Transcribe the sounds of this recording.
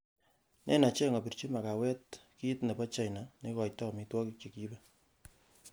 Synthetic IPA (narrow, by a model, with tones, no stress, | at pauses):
nʔḛ˦na˨t͡ʃe˦ŋo˨pi˨ɾt͡ʃi˦ma˨ka˨wɛ˦tki˦tne˨pa˦t͡ʃa˦jna˨ne˦kɔ˨jtɔ˦˨mi˨˦twɔ˦ki˦k̚t͡ʃe˨ki˦be˦